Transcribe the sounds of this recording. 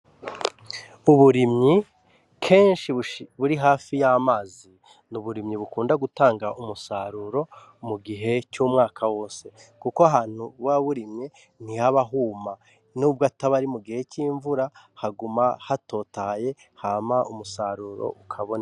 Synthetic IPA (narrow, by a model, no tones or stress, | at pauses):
uβuɾimɲi | kʰe̞ːnʃiβuɾiɦaːfijamaːzi | nuβuɾimɲiβukuːndaɡutaːŋɡaʔumusaɾuːɾo̞ | muɡiɦe̞cuːmŋaːkʰawo̞ːse̞kukoaɦaːn̥huwaβuɾimɲe | n̥ihaβaɦuːma | nuːbɡataβaɾimuɡihe̞ciːɱvuɾa | haɡumahato̞ːtaje̞ | haːmaʔumusaɾuɾo̞̰ʔukʰaβona